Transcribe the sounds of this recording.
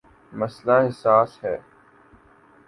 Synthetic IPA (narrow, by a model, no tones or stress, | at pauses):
məslaːɦɪsaːsɦɛː